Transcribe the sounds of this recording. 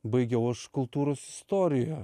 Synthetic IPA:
bɐɪɡʲɛʊɐʃkʊlˠt̪uːɾoːsɪ̥st̪oːɾʲɪjɛ

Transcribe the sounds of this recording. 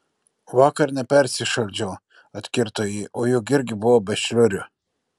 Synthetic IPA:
ʋɑːkɐɾnʲɛpʲɛɾʲsʲɪʃɐlʲd͡ʒʲɛː | ɐt̪ʲkʲɪɾt̪oːjɛʔoːjʊkɪɾʲɡʲɪbʊʋoːbʲɛʃʲlʲʊɾʲʊ

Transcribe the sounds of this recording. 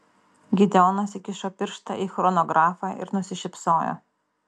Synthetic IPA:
ɡʲɪd̪ʲɛɔʊnosʲɪkʲɪʃoːpʲɪɾʃt̪ɐ̰ʔiːxɾɔnɔɡɾɑːfɑːʔɪ̰ɾnʊsʲɪʃʲɪpsoːjo̰ː

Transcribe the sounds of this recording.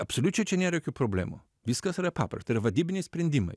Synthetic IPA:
ɐpsolʲut͡ʃɛt͡ʃɛnʲɛɾɛkʲupɾoblɛ̰mo̰ | viskasɐɾapa̰pɛ̰ɾt̪əɾvɐd̪ibnʲispɾɛnd̪imɐ̰j

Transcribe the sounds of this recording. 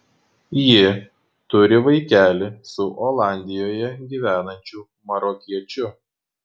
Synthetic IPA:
jɪ | t̪ʊɾʲɪʋɐɪkʲæːlʲɪsʊʔoːlˠɑˑnʲd̪ʲɪjoːjɛɡʲiːʋʲæːnɐnʲt͡ʃʲuː | mɐɾɔːkʲiɛt͡ʃʲʊ

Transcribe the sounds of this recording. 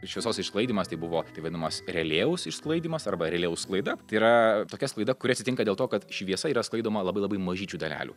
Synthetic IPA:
ʃʲʋʲɪɛsoːsɪʃsklˠɐɪdʲimɐst̪ɐɪbʊʋoːt̪ɐɪʋɐd̪ʲɪnɐmɐsɾʲɛlʲeːʊsɪʃsklˠɐɪd̪ʲiːmɐsɐrbɐɾʲɛlʲeːʊsklˠɐɪd̪ɐt̪ɐɪiɾɐt̪oːkʲɛsklˠɐɪd̪ɐkʊɾʲɪɐt̪ʲsʲɪt̪ʲɪŋkɐd̪ʲeːlˠt̪oːkɐt̪ʃʲʋʲiɛsɐiːɾɐsklˠɐɪd̪oːmɐlˠɐbɐɪlˠɐbɐɪmɐʒʲiːt͡ʃʲuːd̪ɐlʲæ̰ːlʲṵː

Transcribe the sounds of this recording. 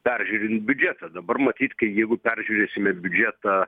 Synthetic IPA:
pʲæɾʲʒʲuːɾʲɪnt̪̚bʲʊd͡ʒʲæt̪ɐd̪ɐbɐrmɐt̪ʲiːt̪kɐɪjɛɪɡʊpʲæɾʲʒʲuːɾʲeːsʲɪmʲɛbʲʊd͡ʒʲæt̪ɑ

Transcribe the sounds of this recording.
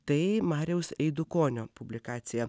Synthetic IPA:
t̪ɐɪmɑːɾʲɛʊsɛɪd̪ʊkoːnʲoːpʊbʲlʲɪkɑːt̪sʲɪjɛ

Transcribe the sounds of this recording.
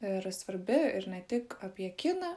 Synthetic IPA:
ɪɾɐsʋɐɾʲbʲɪɪɾnʲɛt̪ʲɪkɐpʲjɛkʲɪnɐ

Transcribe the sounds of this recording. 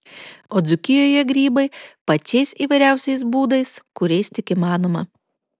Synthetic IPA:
oːd̪zʊkʲɪjoːjɛɡɾʲiːbɐɪpɐt͡ʃʲɛɪsiːʋɐɪɾʲæˑʊsʲɛɪs̬buːd̪ɐɪskʊɾʲɛɪst̪ʲɪkiːmɑːnoːmɐ

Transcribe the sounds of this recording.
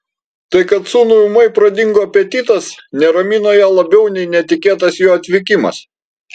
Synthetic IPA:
t̪ɐɪkɐt̪suːnʊʊmɐɪpɾɐd̪ʲɪŋɡoːpʲɛt̪ʲiːt̪ɐsnʲɛɾɐmʲinoːjæːlˠɐbʲɛʊnʲɛɪnʲɛt̪ʲɪkʲeːt̪ɐsjoːɐt̪ʲʋʲɪkʲɪmɐ̰s

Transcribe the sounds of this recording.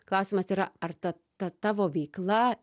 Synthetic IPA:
klˠaːsimɐsiɾaaɾt̪a | t̪at̪avɔvʲiːklˠaː

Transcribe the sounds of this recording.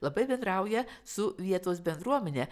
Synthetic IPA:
lˠɐbɐɪbʲɛnd̪ɾɐˑʊjɛsʊʋʲiɛt̪oːs̬bʲɛnd̪ɾuɔmʲɛnʲeː

